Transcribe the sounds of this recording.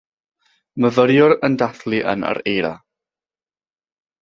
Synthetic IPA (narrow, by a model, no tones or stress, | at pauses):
məvəɾjʊɾəndaθlˠiʔə̰na̰ɾejɾa̰